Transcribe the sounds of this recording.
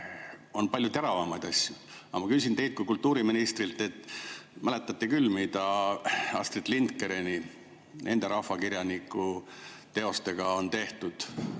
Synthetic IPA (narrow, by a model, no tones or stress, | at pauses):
o̞npɑlʲjut̪e̞ɾɑvɑmɑjd̪ɑsʲjuɑmɑkys̬ʲint̪e̞jt̪̚kujkult̪ːuːɾiminist̪rilt̪ːˑe̞t̪ːˑmælet̪ːˑɑt̪ːˑekylːmid̪ɑ | ɑst̪rit̪lint̪kːeɾeni | ne̞̰nd̪̥e̞ɾɑhfɑkiɾjɑnikːˑut̪e̞o̞st̪e̞ɡ̥ɑo̞nt̪e̞ht̪ud̪̥